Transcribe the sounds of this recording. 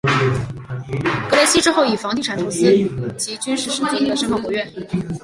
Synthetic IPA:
kɤ˧˥le˥˩ɕi˥ʈ͡ʂɻ̩˥xo˥˩ʊi˨˩fɑ˧˥ŋt̪̬i˥˩ʈ͡ʂʰa˨˩nʈ͡ʂʰo˧˥sɹ̩˥t͡ɕi˧˥t͡ɕy˥nʂɻ̩˥˩ʂ̩˥t̪i˥˩t̪i˥˩d̪ə˩ʂko˧˥kɔ˨˧˩ɥɛ˥˩n

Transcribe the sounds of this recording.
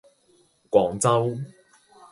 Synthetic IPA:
kʷwɔː˨˥ŋt͡sɐ˥w

